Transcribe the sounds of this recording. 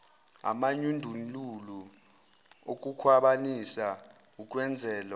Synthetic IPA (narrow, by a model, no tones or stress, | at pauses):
a̰maɲundʱunlulu | ok̬ʼukʰwaɓanisa | uk̬ʼwɛnd͡zʱɛːlɔ